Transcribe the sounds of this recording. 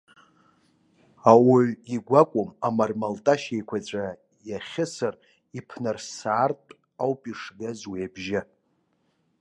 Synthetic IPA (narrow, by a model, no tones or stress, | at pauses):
awʊɥiɡʷakʷʼʊmamarmaltʼaʃejkʷʰat͡sʷʼa | jaχʲɪsar | ipʰnarsaːrtʼ | awpʼiʂɡazwijabʒɪ